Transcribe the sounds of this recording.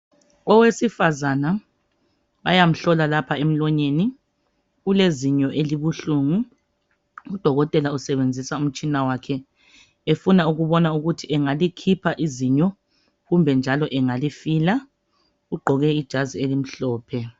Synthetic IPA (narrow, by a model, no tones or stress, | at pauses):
ɔwesifazana | βajam̩ɬɔlalapʰaem̩lwɔɲeni | ɣuleziɲɔʔeliβuɬuːŋu | ud̥ʱɔɣɔtʼɛlausɛβend͡zʱisaum̩t͡ʃʼinawakʰɛ | efunauɣuβɔnauɣutʰiʔɛŋalikʰipʰaʔiziɲɔ | ɣumbʱɛnd͡ʒʱalɔʔɛŋalifiːla | uɡ͡ǃʱɔɣɛid̥ʒ̥ʱazielim̩ɬɔːpʰɛ